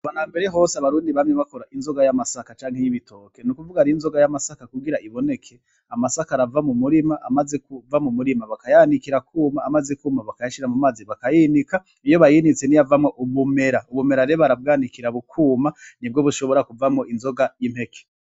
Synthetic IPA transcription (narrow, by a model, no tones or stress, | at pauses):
βanaːmbe̞ɾe̞ɦo̞ːsaβaɾuːndiβamɲeβakoɾaʔinzo̞ɡajamasakat͡ʃaːŋhejiβitʰo̞ke̞nukuvuɡaɾiinzo̞ɡajamasakakuɡiɾaʔiβo̞ne̞kʰe̞ | amasakaɾavamumuɾimaʔamaze̞kuvamumuɾimaβakajaːnikiɾakuːmaːmazekuːmaβakajaʃiɾamumaːziβakajinika | ijo̞βajinit͡se̞nijavamŋo̞ʔuβume̞ɾauβume̞ɾaɾejoβaɾab̚ɡaːnikiɾaβukʰuːmanibɡo̞βuʃo̞βo̞ɾakuvamŋoʔinzo̞ɡajimhe̞kʰe̥